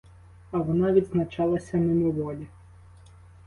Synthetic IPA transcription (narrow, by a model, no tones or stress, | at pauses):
ɐʋɔnɑʋʲid̪znɐt͡ʃɑlˠɐsʲɐmɪmɔʋɔlʲi